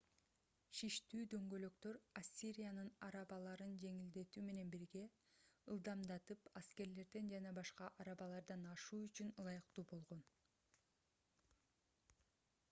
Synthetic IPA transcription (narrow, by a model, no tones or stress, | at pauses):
ʃiʃt̪yːd̪ø̞ŋɡø̞lø̞kt̪ø̞ɾasʲːiɾʲijanɯnɑɾɑβɑlˠɑɾɯnd͡ʒe̞ŋild̪e̞t̪yːme̞ne̞nbiɾɡe̞ | ɯlˠd̪ɑmd̪ɑt̪ɯpaske̞ɾle̞ɾd̪e̞nd͡ʒɑnɑbɑʃqɑʔɑɾɑβɑlˠɑɾd̪ɑnɑʃuːyt͡ʃynɯlˠɑjɯqt̪uːbo̞lˠʁo̞n